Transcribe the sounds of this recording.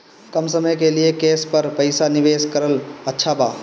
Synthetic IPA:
kɐmsəməjkeliekeːspəɾpəɪsanɪʋeːskəɾələtːʃʰabaː

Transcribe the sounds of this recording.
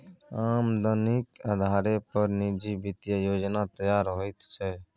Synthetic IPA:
aːmd̪ənikaːd̪ʱaːɾeːpəɾniːd͡ʒiːbɪt̪jajoːd͡ʒnaːt̪əjaːɾɦoːit̪t͡ʃʰɛː

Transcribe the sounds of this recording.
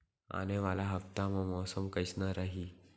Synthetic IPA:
a̰neʋalaɦəft̪amamɔsəmkəjsnaɾaɦi

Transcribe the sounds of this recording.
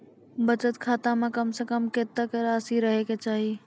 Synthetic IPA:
bət͡ʃət̪kʰaːt̪amẽkəmsekəmket̪ːəkɾaːsiɾəɦeket͡ʃaːɦi

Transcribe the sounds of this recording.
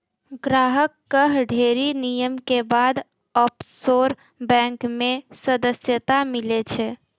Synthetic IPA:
ɡɾaɦəkːəɦɖʱeɾinijəmkebad̪ | ɔpsoɾ | bɛ̃ŋkmẽsəd̪əsjət̪amilet͡ʃʰɛ

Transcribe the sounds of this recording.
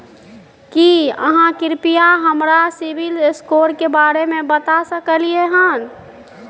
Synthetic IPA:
kiə̰ɦãkɪɾpijaɦəmɾasibilskoɾkebaɾemẽbət̪asəkəlijeɦən

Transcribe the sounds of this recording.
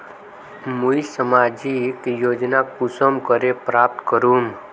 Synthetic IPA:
muisəmad͡ʒikjod͡ʒnakusəmkəɾepɾap̚t̪kəɾum

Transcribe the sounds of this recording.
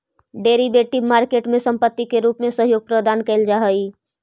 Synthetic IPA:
ɖeɾibeʈibmaɾkeʈmẽsəmpət̪ːikeɾupmesəɦjoːɡ̚pɾəd̪aːnkɛɪld͡ʒaɦəj

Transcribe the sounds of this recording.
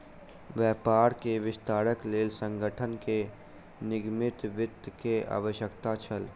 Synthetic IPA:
ʋjɛːpaːɾkeʋɪst̪aːɾəkleːlsə̃ŋɡʱəʈʰənke | nɪɡmɪt̪ʋɪd̪kea̰ːʋəʃjəkt̪at͡ʃʰəl

